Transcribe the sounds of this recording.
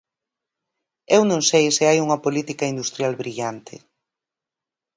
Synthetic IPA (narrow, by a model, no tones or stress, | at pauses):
ewnõŋsejsɪajuŋɐpolit̪ikɐind̪ust̪ɾjalβɾiʎant̪ʰɪ̰